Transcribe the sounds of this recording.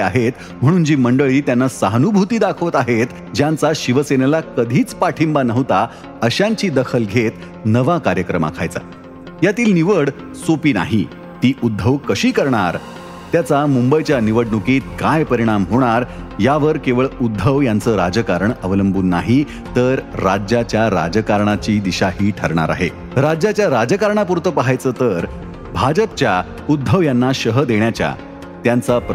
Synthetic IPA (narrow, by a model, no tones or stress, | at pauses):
aɦet̪ | m̤əɽ̃ũːnd͡ʑiːməɳɖəɭiːt̪janːasəɦnubʱut̪iːd̪akʰʋot̪aɦet̪ | d͡ʑjãnt͡saɕiʋəsenelakəd̪ʱiːt͡spaʈʰimbanəʋt̪a | əɕãɲt͡ɕiːd̪əkʰəlɡʱet̪ | nəʋakaɾjəkɾəma̰kʰa̰jt͡sa̰ | jat̪iːlniʋəɽ | sopiːna̰ɦi | t̪iːʔud̪ʱːəʋkəɕiːkəɾɳaɾ | t̪jat͡samumbəjt͡ɕjaniʋəɽnukiːt̪̚kajpəɾiɽ̃amɦoɽ̃aɾ | jaʋəɾkeʋəɭud̪ʱːəʋjant͡səːɾad͡ʑəkaɾəɳəʋləmbuːnːa̰ɦi | t̪əɾɾad͡ʑjat͡ɕjaɾa̰d͡ʑəkaɾɳat͡ɕiːd̪iɕaɦiːʈʰəɾɳ̃a̰ɾa̰ɦe | ɾad͡ʑjat͡ɕjaɾad͡ʑəkaɾɳ̃ap̬uɾt̪əpaɦajt͡səːt̪əɾ | bʱad͡ʑəp̚t͡ɕja | ud̪ʱːəʋjanːaɕəɦəd̪eɳjat͡ɕja̰ | t̪jant͡sap